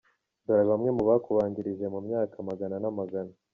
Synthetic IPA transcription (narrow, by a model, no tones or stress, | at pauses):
baɾaβamŋe̞muβakuβaːɲɟiɾiʒe̞mumɲaːkamaɡananamaɡana